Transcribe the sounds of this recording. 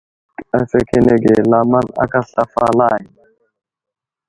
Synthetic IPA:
a˨fɛ˦kʰɛ˦nɛ˨ɡɛ˨la˦ma˦na̰˦ka˦ɬa˦falaː˦˨ji˨

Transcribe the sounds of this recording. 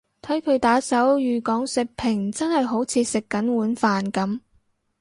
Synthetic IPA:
t̪ʰɐ˨˥jkʰɵ˨˧ɥt̪aː˨˥sɐ˨˥wjyː˨˧kɔː˨˥ŋsɪ˨k̚pʰɪ˨˩ŋt͡sɐ˥nhɐ˨jɦo˨˥wt͡sʰiː˨˧sɪ˨kːɐ˨˥nwuː˨˥nfaː˨nkɐ˨˥m

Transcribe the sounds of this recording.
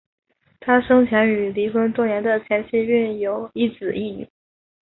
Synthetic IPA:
t̪ʰa˥ʂɤ˥ŋt͡ɕʰjɛ˧˥ny˨˩li˧˥xwə˥nt̪wɔ˥njɛ˧˥nd̪ə˧t͡ɕʰjɛ˧˥nt͡ɕʰi˥˧y˥˩njo˨˧˩ʊi˥˩t͡sɹ̩˨˩ʔi˥˩ny̰˨˩˦

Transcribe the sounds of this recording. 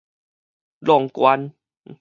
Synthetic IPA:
lɔ˨˩ŋkwa˧n˧

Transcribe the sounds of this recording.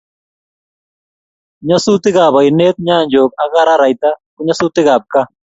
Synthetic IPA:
ɲa˦su˦t̪ɪ˦ɣa˨βa˨i˨neː˦t̪̚ɲaː˦˨ɲd͡ʒo˨k̚a˦ɣa˦ɾa˦ɾa˨it̪a˦ku˦ɲa˦su˦t̪ɪ˦ɣa˨p̚ka˦

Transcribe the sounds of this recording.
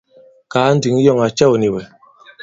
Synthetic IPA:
ka˨˦n̩˦dy˨˦ŋ˦jɔ˦˨ŋa˨t͡ʃɛ˦˨wu˨ni˨wɛ˨

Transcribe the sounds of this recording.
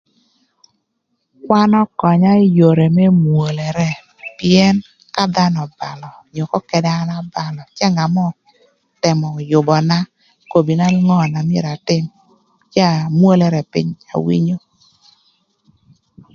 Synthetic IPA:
kwa˦nɔ˦kɔ˨ɲa˦jo˨ɾe˨mɛ˦mwo˨lɛ˨ɾɛ˦ | pi˦ɛ˦n | ka˦d̪a˦nɔ˨ba˨lɔ˨ɲo˨kɔ˦kɛ˨da˦na˦ba˨lɔ˨t͡ʃɛ˦ŋa˨mɔ˦ | tɛ˨mɔ˨jʊ˨bɔ˨na˦ | ko˨bi˨na˦ŋɔ˦˨na˨mɪ˦˨ɾa˨tɪ˦m | t͡ʃa˦˨mwo˦lɛ˨ɾɛ˨pɪ̰˦ɲa̰˨wḭ˦ɲo˦

